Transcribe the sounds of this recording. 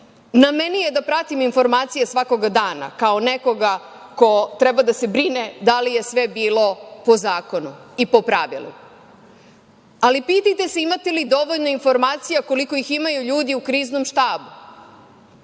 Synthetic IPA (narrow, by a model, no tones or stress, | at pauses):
namenije̞d̪apɾat̪iminfo̞ɾmaːt̪sijasʋako̞ɡad̪aːna̰kaoneko̞ɡa | ko̞t̪ɾebad̪ase̞bɾined̪alije̞sʋe̞biːlo̞po̞zaːko̞nuipo̞pɾaʋḭlṵ | alipiːt̪ajt̪ese̞imat̪e̞lid̪o̞ʋo̞ʎno̞info̞ɾmaːt̪sijako̞liko̞iximajuʎuːd̪iukɾiːznomʃt̪aːbu